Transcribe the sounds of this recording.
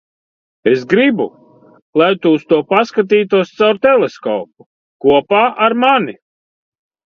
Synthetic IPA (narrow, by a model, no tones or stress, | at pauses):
esɡɾibu | lˠajt̪uːst̪uɔpaskat̪̬iːt̪uɔst̪sawɾt̪ɛlˠeskɔ̰ːpu | kuɔpaːʔaɾmani